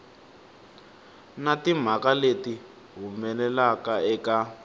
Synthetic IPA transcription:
natim̤akaleti | ɦumɛlɛlakaɛka

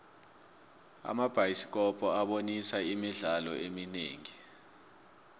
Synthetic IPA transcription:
a̰mab̥ʱajisi̥k̬ɔpʰʼɔaɓonisaimiɮalɔ̰eminḛːŋi

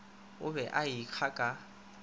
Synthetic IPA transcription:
ʊbɛʔaik͡xʰakʼa

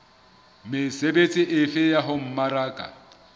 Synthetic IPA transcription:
mɪsebet͡sʼɪʔɪfɪjaɦʊm̩maɾaːkʼa̰

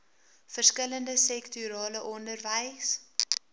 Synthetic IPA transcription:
fərskələndəsɛktyɾɑːləʔɔndərvəjs

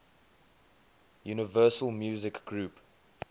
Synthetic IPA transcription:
juːnəvɜːˑsəlˠmjuːzɪkɡɹuːp

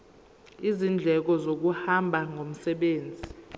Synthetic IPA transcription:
izind͡ɮʱɛk̬ɔzok̬uhambʱaŋom̩sɛɓeːnd͡zʱi

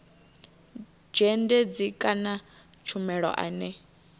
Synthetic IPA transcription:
d͡ʒɛndɛd͡zikʼana | t͡ʃʰumɛɺɔ̰ʔa̰nɛ

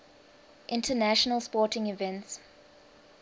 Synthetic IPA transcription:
ʔɪ̃ntʰənæʃɔnəlˠspɔːˑtɪ̃ŋivɛ̃nts

